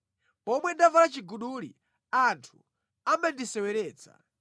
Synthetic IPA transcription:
pɔmwɛndavalat͡ʃiɡuɗuːlḭ | antʰu | amandisɛwɛɾɛːt͡sa̰

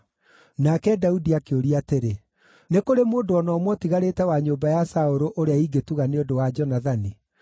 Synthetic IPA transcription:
nakɛdaudiakeoɾiateɾe | nekoɾemoːndoɔnɔːmwɔtiɣaɾeːtɛwaɲoːmbajasaoɾoʔoɾeaiɡetuɣaneodowad͡ʒɔnaðani

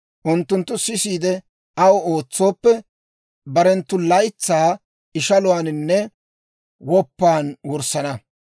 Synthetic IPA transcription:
ʔʊnt̪ːʊnt̪ːʊsɪsiːd̪ɛ | ɐwo̞ːt͡sːo̞ːpːɛ | bɐɾɛnt̪ːʊlɐjt͡sːaː | ɪʃɐlʊwaːnɪnːɛ | wɔpːaːnwɔɾsɐnɐ

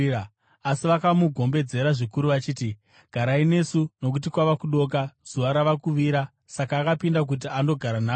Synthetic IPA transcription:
asiʋakamuɡʱo̞mbe̞d͡ze̞ɾaʐikuɾuʋat͡ʃiːti | ɡ̥ʱaɾaine̞suno̞k̬utikwaʋakuɗo̞ːk̬az̥uʋaɾaʋakuʋiɾa | sakaːkapindak̬ut̬iando̞ɡʱaɾanaː

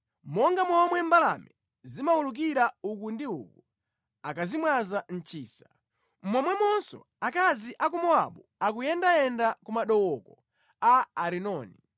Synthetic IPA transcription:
mɔŋɡamɔmwɛmbala̰mɛ | zimauluk̬iɾaukundiṵku | akazimwazan̩t͡ʃiːsa | m̩mwɔmwɛmɔnsɔ̰ | akaziʔak̬umɔa̰ɓɔ | ak̬ujɛndajɛndakumaɗɔwɔkɔ | aːɾinɔːni

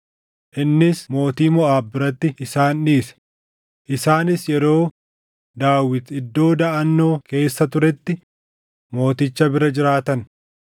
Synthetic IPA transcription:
ʔɪnːɪsmo̞ːt̪iːmɔʔaːbɪɾɐt̪ːɪɪsaːnᶑiːsɛ̥ | ʔɪsaːnɪsjɛɾo̞ː | d̪aːwɪt̪ɪd̪ːo̞ːd̪ɐʔɐnːo̞ːke̞ːsːɐt̪ʊɾɛt̪ːɪ | mo̞ːt̪ɪt͡ʃːɐbɪɾɐd͡ʒɪɾaːt̪ɐn

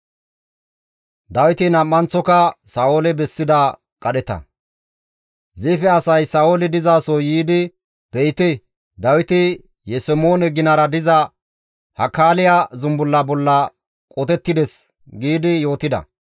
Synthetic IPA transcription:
d̪ɐwɪt̪ɪnɐmːɐnt͡sɔkɐsaːolɛbɛsːɪd̪ɐ | kʼɐɗɛt̪ɐ̰ | zɪfɛɐsɐjsaːʔolɛd̪ɪzaːsɔjiːd̪ɪ | b̥ɛjt̪ɪ | d̪ɐwɪt̪ɪ | jɛsɛmoːnɛɡɪnɐɾɐd̪ɪzɐ | hɐkaːlɪjazʊmbʊlːɐbɔlːɐ | kʼot̪ɛt̪ːɪd̪ɛs | ɡiːd̪ɪjo̞ːt̪ɪd̪ɐ̰

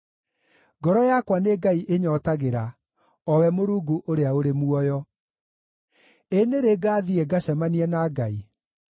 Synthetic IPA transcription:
ɡɔɾɔjakwaneɡaiʔeɲɔtaɣeɾa | ɔwɛmoɾuːɡuʔoɾeaoɾemuɔjɔ | eneɾeɡaːðiɛɡaɕɛmaniɛnaɡai

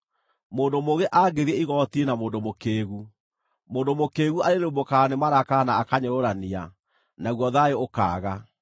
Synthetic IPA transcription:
moːndomoɣeʔaɡeɾiɛiɣɔtienamoːndomokeːɣu | moːndomokeːɣuaɾeɾeumbokanemaɾakanaːkaɲoɾoɾania̰ | naɣwɔðajeoka̰ːɣa

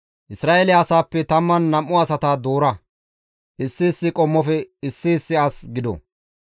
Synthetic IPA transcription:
ʔɪsɾaːʔɛlɪɐsaːpːɛt̪ɐmːɐnːɐmːʊɐsɐt̪aːd̪oːɾɐ | ʔɪsːɪːsːɪkʼɔmːɔfɛɪsːɪːsːɪasɡɪd̪ɔ̰

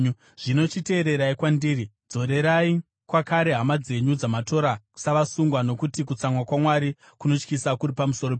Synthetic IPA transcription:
ʐ̥ino̞t͡ʃite̞ːɾe̞ɾaikwandiːri | d͡zo̞ɾe̞ɾai | kwakaɾe̞ɦamad͡ze̞ɲud͡zamato̞ɾasaʋasuŋɡwano̞kutik̬ut͡samwakwamwaɾi | kuno̞t͡ʃkisakuɾipamusoɾop

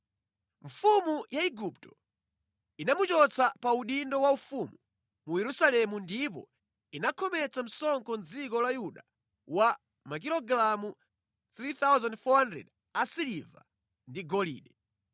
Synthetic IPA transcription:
ɱfumujaiɡup̚tɔ̥ | inamut͡ʃɔt͡sʰapauɗindɔwaufumu | mujɛɾusalɛmundip̬ɔ̰ | inakʰɔmɛt͡sam̩sɔŋkɔnd͡zikɔlajuɗa | wa | mak̬ilɔɡɾamu | θɾit̪awzandfɔhandɛ̰d | asiliva̰ | ndiɡɔlḭːɗɛ

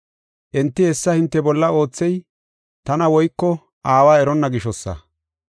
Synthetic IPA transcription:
ʔɛnt̪ːɪhɛsːɐhɪnt̪ːɛbɔlːɐo̞ːt͡sːɛj | t̪ɐnɐwɔjkːɔ | ʔaːwaːɛɾɔnːɐɡɪʃɔsːɐ̰

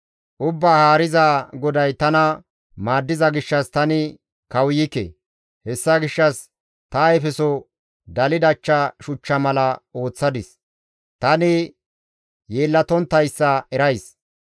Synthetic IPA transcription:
ʔʊbːaːhaːɾɪzaɡɔd̪ɐjt̪ɐnɐ | maːd̪ːɪzɐɡɪʃːɐst̪ɐnɪ | kɐwjɪkḛ | hɛsːɐɡɪʃːɐs | t̪ɐjfɛsɔ | d̪ɐlɪd̪ɐt͡ʃːɐʃʊt͡ʃːɐmɐlɐo̞ːt͡sːɐd̪ɪs | t̪ɐnɪ | jeːlːɐt̪ɔnt̪ːɐjsːɐɛɾɐjs

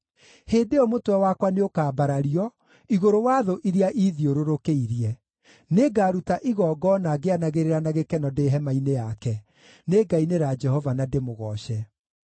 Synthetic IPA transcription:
heːdeɔmotwɛwakwaneokaːbaɾaɾiɔ | iɣoɾowaːðoʔiɾiaʔiðioɾoɾokeiɾiɛ | neɡaɾutaʔiɣɔːɡɔnaɡeanaɣeɾeɾanaɣekɛnɔdeɦɛmainejakɛ | neɡaineɾad͡ʒɛhɔvanademoɣɔɕɛ

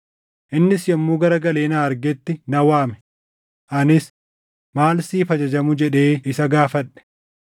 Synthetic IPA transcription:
ʔɪnːɪsjɐmːuːɡɐɾɐɡɐleːnaːɐɾɡɛt̪ːɪnɐwaːmɛ̥ | ʔɐnɪs | maːlsiːfɐd͡ʒɐd͡ʒɐmʊd͡ʒɛᶑe̞ːɪsɐɡaːfɐᶑɛ̥

